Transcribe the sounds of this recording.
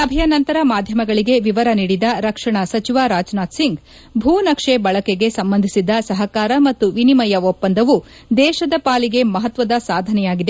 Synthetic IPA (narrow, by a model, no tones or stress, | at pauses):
ɐbʱɐjɐnɐnt̪ɐɾɐmaːd̪ʱjɐmɐɡɐɭiɡe̞ʋiʋɐɾɐniːɽid̪ɐɾɐkʂɐɳɐsɐt͡ʃiʋaːɾaːd͡ʒnaːt̪siŋɡ | bʱuːnɐkʂebɐɭɐkeɡe̞sɐmbɐnd̪ʱisid̪ɐsɐɦɐkaːɾɐmɐt̪ːuʋinimɐjɐʋopːɐnd̪ɐʋu | d̪ɛːʃɐd̪ɐpaːliɡe̞mɐɦɐt̪ʋɐd̪ɐsaːd̪ʱɐnɛjaːɡid̪e